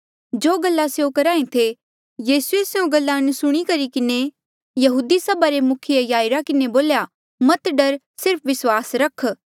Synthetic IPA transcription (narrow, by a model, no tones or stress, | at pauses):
d͡ʒoːɡɐlːaseõkɐɾaːẽt̪ʰe | jiːsueseũɡɐlːansʊɽ̃ikɐɾikɪne | jɐɦuːd̪isɐbaɾemʊkʰiejaːɪɾakɪneboːlja | mɐt̪ɖɐɾ | sɪɾpʰʋɪswaːsɾɐkʰː